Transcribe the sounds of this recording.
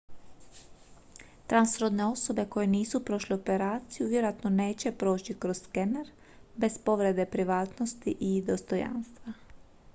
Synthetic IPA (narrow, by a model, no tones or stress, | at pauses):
t̪ɾansɾo̞d̪ne̞o̞so̞be̞ko̞je̞niːsupɾo̞ʃleope̞ɾaːt̪sijuʋjeɾoat̪no̞ne̞ːt͡ɕe̞pɾo̞ːt͡ɕikɾo̞zskeneɾ | be̞spo̞ʋɾed̪e̞pɾiʋaːt̪no̞st̪iʔid̪o̞st̪o̞ja̰ːnst̪ʋa